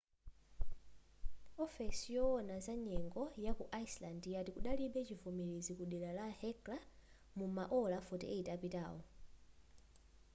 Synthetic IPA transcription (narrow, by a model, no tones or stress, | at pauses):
ɔfɛsijɔɔnazaɲɛŋɡɔjakuʔaislandjatikuɗaliɓɛt͡ʃivɔmɛɾezikuɗɛlalahɛkla | mumaʔɔlafɔtɛ̰ʔeitapita̰ːɔ